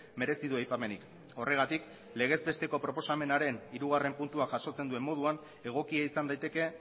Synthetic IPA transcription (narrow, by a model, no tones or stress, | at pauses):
me̞ɾe̞siðuajpame̞nik | o̞re̞ɣ̞at̪ik | le̞ɣ̞e̞zbe̞st̪e̞ko̞pɾo̞po̞same̞naɾe̞niɾuɣ̞are̞mpunt̪uaʝaso̞t͡se̞nd̪ue̞mːo̞ð̞uan | e̞ɣ̞o̞kiaisand̪ajt̪e̞ke̞